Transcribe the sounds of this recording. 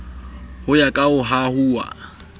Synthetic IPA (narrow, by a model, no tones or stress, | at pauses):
hʊjakʼaʊɦahuːwa̰